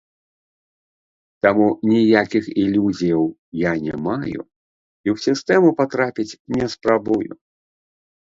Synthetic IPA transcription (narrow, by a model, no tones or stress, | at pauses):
t̪amunʲijakʲixilʲuzʲijɐwjanʲɛ̰majṵ | iwsʲist̪ɛmupat̪ɾapʲit͡sʲnʲɛspɾabujṵ